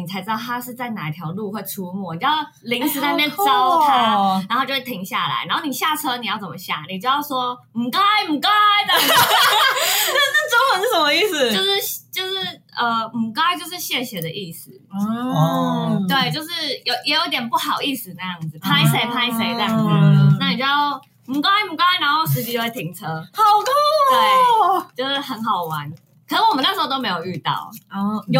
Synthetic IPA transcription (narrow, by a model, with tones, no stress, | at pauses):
i˨˩a˧˥ɪʈ͡ʂɻ̩˥d̪ɑ˥˧˩ʊt̪ʰa˥ʂɻ̩˥˧t͡sa˥˩ɪna̰˨˩i˧˩t̪ʰjɑ˧˥ʊlu˥˧xwɛ˥˩ɪʈ͡ʂʰu˧˥mwɔ˥˩˨jʊ | li˧˥ŋs̩˧˥t̪ʰa˥˧mjɛ˥˧nʈ͡ʂɑ˥ʊt̪ʰa˥na˨˧nxo˥˧t͡ɕo˥˧wt̪ʰi˧˥ŋɕja̰˥˩la̰˧˩ɪna˧˥nxni˨˩ɕja˥˩ʈ͡ʂʰɤ˥ni˨˩jɑ˥˩ʊt͡sə˩mə˧ɕja̰˥˩ŋni˨˩t͡ɕjo˥˧ʊjɑ˥˩ʊʂwɔ˥ | m̩˨˩ka˥˧ɪm̩˨˩ka˥ɪt͡sa˥˩˥ | na˥˩˥ʈ͡ʂo˥ŋxə˧˦ŋd̪ə˧˩ʂə˧˥mə˧˦i˥˩s̩˨˩jo˥˧ʊʂɻ̩˥˧ɕt͡ɕjo˥˧ʊʂɻ̩˥˩ | ə˧m̩˨˩ka˥ɪt͡ɕjo˥˧ʊʂɻ̩˥˧ɕjɛ˥˩ɕjɛ˧˥d̪ə˧ʔi˥˩sɹ̩˨˩ | t̪we˥˩ɪt͡ɕjo˥˧ʊʂɻ̩˥˩jo˧˩ʊjɛ˧˥jo˧˥i˥t̪jɛ˨˩npu˥˩xɑ˨˩ʊi˥˩sɹ̩˨˩na˥˧jɑ˥˩ŋd͡z̩˨˩pʰa˥ɪse˧˦˥ɪpʰa˥ɪse˧ɪt̪a˥˧˩ŋz̩˨˩na˥˩ni˨˩t͡ɕo˥˩ | m̩u˨˧˩ka˥a˥mu˨˩ka˥a˥na˧˥nxo˥˩ʊʂ̬ɻ̩˧˥t͡ɕi˧˥jo˥˩we˥˩t̪ʰi˨˩ŋt͡sʰɤ˦˥hɑ˨˩ʊt̪ɔ˥we˥˩ɪt͡ɕjo˥˧ʊʂɻ̩˥˩xə˧˦˥nxɑ˨˩ʊwa˧˦n | kʰə˨˩nə˥˩ŋwɔ˨˩mə˦n˥˩ɻ̩˧o˥˧t̪o˥˧me˧˥ɪjo˨˩y˥˧t̪ɑ̰˥˩ʊ˧˩˧